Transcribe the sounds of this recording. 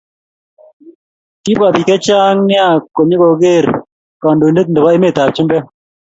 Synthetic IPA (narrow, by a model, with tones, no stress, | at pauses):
ki˦ba˨bi˨kɛ˦t͡ʃaː˦ŋnɪ˦a˦˨ko˨ɲi˦kɔ˨ɡe˦˨ɾ | ka˨ndu˨nde˦k̚ndɛ˨ba˦ɪ˦me˨t̪a˨p̚t͡ʃu˦mbɛ˦